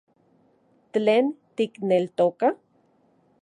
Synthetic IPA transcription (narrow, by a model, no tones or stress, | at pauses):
tleːnt̪iknelt̪oka